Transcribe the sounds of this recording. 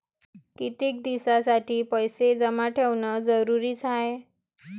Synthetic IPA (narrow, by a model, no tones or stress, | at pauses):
kit̪iːk̚d̪isasaʈiːpəjsed͡zəmaʈʰeʋnəd͡zəɾuɾiːt͡sʰae